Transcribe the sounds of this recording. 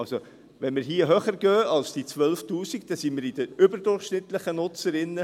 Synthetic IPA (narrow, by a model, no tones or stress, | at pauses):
ɑlso | ʋɛnmɪɾɦiːəɦœχəɾɡœːɑlsd̥it͡sʋœlftuːsikd̥̪ɛsiːmɪɾid̥əʏbəɾdʊrχʃnɪt̪ləχənʊt͡səɾɪnːə